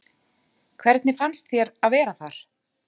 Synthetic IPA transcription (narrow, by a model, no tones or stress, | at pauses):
kʰvɛɾt̪nɪfanst̪θjɛɾaðvɛːɾaθaɾ̥